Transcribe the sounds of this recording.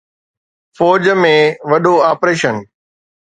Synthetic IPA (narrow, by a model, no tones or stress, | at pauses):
fɔːd͡ʑmẽʋɐɗoaːpɾeːʃən